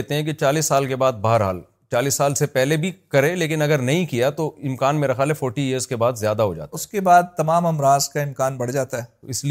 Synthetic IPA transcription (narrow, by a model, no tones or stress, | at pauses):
ɦt̪eɦɛ̃k̬it͡ʃaːliːsːaːlkebaːd̪̚bɐɦəɾɦa̰ːl | t͡ʃaːliːsːaːlsepɛɦlebʱikɐɾẽleːk̬ɪnɐɡəɾnɐɦĩkijat̪oɪmkaːnmeːɾɐxjaːlɦɛfoːɾʈiɪəɾzkebaːd̪zjaːd̪aɦo̰d͡ʒa̰ːt̪ːʊskebaːd̪̚t̪ɐmaːmɐmɾaːzkaɪmkaːnbɐɽ̤d͡ʒaːt̪aɦɛːɪsli